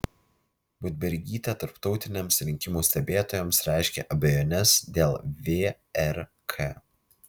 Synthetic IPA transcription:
bʊd̪ʲbʲɛɾʲɡʲiːt̪ʲɛt̪ɐɾpt̪ɒʊt̪ʲɪnʲeːmsɾʲɪŋʲkʲɪmuːsʲt̪ʲɛbʲeːt̪oːjɛmsɾʲæˑɪʃʲkʲɛ̰ʔɐbʲɛjoːnʲɛsd̪ʲeːlˠʋʲeː | ɛɾ | kʰeː

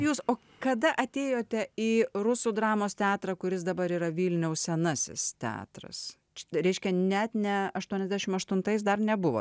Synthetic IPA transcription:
juːsoː | kɐd̪ɐʔɐt̪ʲeːjoːt̪ʲɛiːɾʊsuːd̪ɾɑːmoːst̪ʲæːt̪ɾɐkʊɾʲɪs̬d̪ɐbɐɾiːɾɐʋʲiːlʲnʲɛʊssʲɛnɐsʲɪ̰st̪ʲæ̰ːt̪ɾɐ̰s | t͡ʃɾʲɛɪʃʲkʲɛnʲɛt̪nʲɛɐʃt̪uɔnʲɛzʲd̪ʲæʃʲɪmɐʃt̪ʊnt̪ɐɪs̬d̪ɐrnʲɛbʊʋo̰

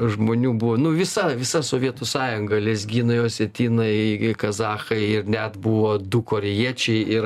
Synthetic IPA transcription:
ʒmoːnʲuːbuʋoːnʊʋʲɪsɐʋʲɪsɐsoːʋʲiɛt̪ʊsɑːjʊŋɡɐlʲɛzʲɡʲiːnɐɪoːsʲɛt̪ʲiːnɐɪkɐzɑːxɐɪɪrnʲɛt̪buʋoːd̪ukoːɾʲɛjiɛt͡ʃʲɛɪɪr

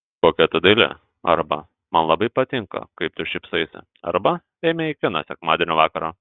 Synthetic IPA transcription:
koːkʲɛt̪ʊd̪ɐlʲɪ̰ | ɐ̰ɾbɐ̰ | mɐnlˠɐbɐɪpɐt̪ʲɪŋkɐ̰kɐɪp̚t̪ʊʃʲɛɪpsʊɐɪsʲɪ̰ | ɐ̰ɾbɐ | ɛɪmʲɛɪkʲɪnɐ̰sʲɛkmɑːd̪ʲeːnʲoːʋɑːkɐɾoː

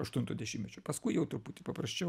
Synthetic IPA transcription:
ɐʃt̪ʊnt̪o̰ːd̪ʲɛʃʲimʲmʲɛt͡ʃʲoːpɐskʊɪjɛʊt̪ʊɾpuːt̪ʲɪpɐpɾɐsʲt͡ʃʲɛʊ

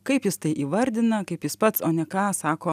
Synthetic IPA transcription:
kɐɪpjɪst̪ɐɪʔiːʋɐɾʲd̪ʲɪnɐkɐɪpjɪspɐt̪soːnʲɛkɑːsɑːkoː

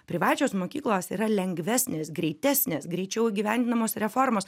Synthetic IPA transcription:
pʲɾʲɪʋɑːt͡ʃʲoːsmoːkʲiːklˠoːsiːɾɐlʲɛŋɡʋʲæːsʲnʲeːsɡɾʲɛɪt̪ʲæːsʲnʲeːsɡɾʲɛɪt͡ʃʲɛʊiɡʲiʋʲænʲd̪ʲɪnɐmoːsɾʲɛfoːɾmoːs

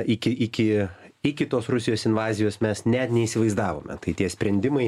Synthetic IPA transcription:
ɪkʲɪʔɪkʲɪɪkʲɪt̪oːsrʊsʲɪjoːsɪnʋɑːzʲɪjoːsmʲɛsnʲɛt̪nʲɛisʲɪʋɐɪzd̪ɑːʋo̰ːmʲɛ̰t̪ɐɪt̪ʲiɛsʲpʲɾʲɛnʲd̪ʲɪmɐɪ

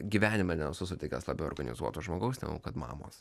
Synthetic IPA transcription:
ɡʲiːʋʲæːnʲɪmɐnʲɛsʊsʊt̪ʲɛɪkʲɛslˠɐbʲɛʊoːɾɡɐnʲɪ̰zuɔt̪oʒmoːɡɐʊsnʲɛ̰ɡo̰kɐt̪mɑ̰ːmo̰ːs

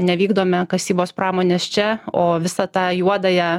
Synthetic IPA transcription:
nʲɛʋʲiːɡd̪oːmʲɛkɐsʲiːboːspɾɑːmoːnʲeːst͡ʃʲɛoːʋʲɪsɐt̪ɑːjuɔd̪ɐjɛ

